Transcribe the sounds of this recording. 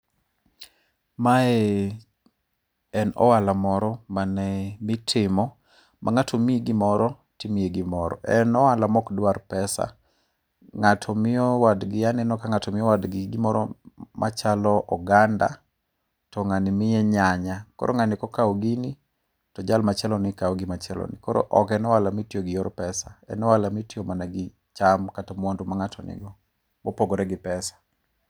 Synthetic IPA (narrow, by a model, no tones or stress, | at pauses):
maɛ | ɛnɔ̰walamɔɾɔmanɛmɪtʰɪmɔ | mʔa̰ŋatʰomieɡɪmɔɾɔ | tɪmieɡɪmɔɾɔ̰ʔɛnɔwalamɔkdwaɾpɛsa̰ | ŋatʰɔmɪɔwadɡɪanɛnɔkaŋatʰɔmɪjɔwadɡɪɡɪmɔɾɔ̰mʔa̰t͡ʃalɔʔɔɡanda̰ | tɔŋanɪmɪɛɲaɲakɔ̰ɾʔɔ̰ŋanɪkɔkawɡini | tɔd͡ʒalmat͡ʃɛlɔnɪkawɡɪmat͡ʃɛlɔ̰nɪ̰kɔɾɔ̰ʔɔkɛnɔwalamitjoɡɪjɔɾpɛsaɛ̰nɔwalamitjomanaɡɪ | t͡ʃamkatɔmɔndumaŋatʰɔnɪ̰ɡɔ | mopoɡɔɾɛɡɪpɛsḁ